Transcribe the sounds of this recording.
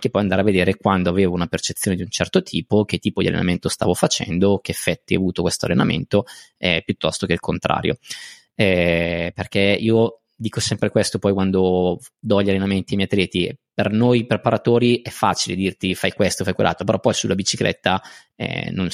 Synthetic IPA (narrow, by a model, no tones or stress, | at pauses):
akepːɔjand̪aɾeavːed̪eːɾekwand̪oaveːvounapert͡ʃet̪sːjoːned̪iunt͡ʃɛrt̪ot̪ʰiːpok̟et̪ːiːpod̪ia̰lḛna̰ment̪ost̪a̰ːvofat͡ʃɛ̰nd̪ok̟eefːɛt̪ːia̰vuːt̪okwest̪oalːenamḛnt̪oɛpjut̪ːɔst̪okelkʰont̪ɾa̰ːɾjo̰ | ɛperk̟eiːo | d̪iːkosɛmpɾekwest̪opɔjkwand̪o | d̪ɔʎalːenament̪iamɛjat̪ɾjɛːt̪ipernojpɾepaɾʔat̪oːɾiʔɛfːa̰ːt͡ʃiled̪irt̪ifajkwest̪ofajkwḛlːa̰t̪ɾopeɾɔpːɔjsulabit͡ʃiklɛ̰t̪ːa | ɛ̰non